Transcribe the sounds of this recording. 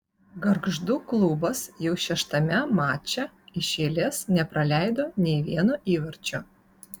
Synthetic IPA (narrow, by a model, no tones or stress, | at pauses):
ɡɐɾɡʒd̪ʊklˠubɐsjɛʊʃʲɛʃt̪ɐmʲɛmɑːt͡ʃʲɛ | ɪʃʲeːlʲesnʲɛpɾɐlʲæˑɪd̪oːnʲɛɪʋʲiɛnuʔiːʋɐɾʲt͡ʃʲʊ